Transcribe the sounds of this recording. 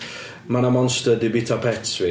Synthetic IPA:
manamɔnstədɪbitʰapʰɛtsvɪ

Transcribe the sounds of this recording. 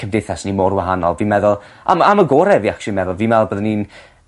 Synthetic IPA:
kʰəmdeθasnimoːɾwaɦanɔlˠviːmɛðʊlˠ | a̰maməɡɔːɾɛviːakʃʊlˠimɛðʊlˠviːmɛlˠbəðnin

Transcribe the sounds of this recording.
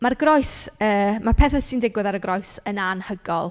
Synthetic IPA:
marɡrɔjsəːmarpʰɛːθɛsindɪɡwɪðaɾəɡrɔɨsənanhəɡɔ̰lˠ

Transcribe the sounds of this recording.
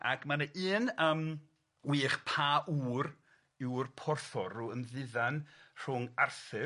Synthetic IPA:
a̰kʰmanəʔiːnəm | wiːχpʰaːʔuːr | ɪwrpʰɔrθɔɾuənðɪðanr̥ʊŋarθɨ

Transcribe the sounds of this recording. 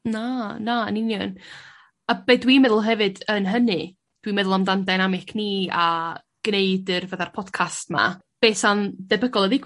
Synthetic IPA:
nanaə̰nɪnjɔn | ab̥edwimɛðʊlˠɦɛvɨdənɦənɨ | d̥wimɛðʊlˠamdandajnamɪkʰniːa | ɡ̥neɨdɨrvəðarpʰɔd̥kʰastma̰ | b̥eːsandɛbəɡɔlˠəðiɡ

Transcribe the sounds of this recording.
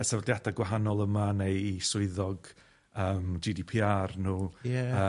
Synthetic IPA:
ɛsavɔdjadaɡwaɦanɔlˠəmanejisʊɨðɔɡ̥ | əːmd͡ʒidipʰiːarnuːjɛə

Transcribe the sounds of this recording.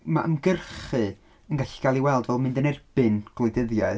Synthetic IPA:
ma̰ʔamɡərχɨ | ənɡaɬi̥ɡ̥alˠiwɛlˠdvɛlˠmɨ̃ndənɛrb̥ɨnɡ̥lˠʊjdəðjaɨ

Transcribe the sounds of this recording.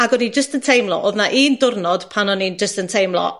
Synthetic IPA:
aɡɔnid͡ʒəstəntʰejmlˠɔ̰ʔoːðnaʔiːndʊrnɔd̥pʰanɔnind͡ʒəstəntʰejmlˠɔ̰

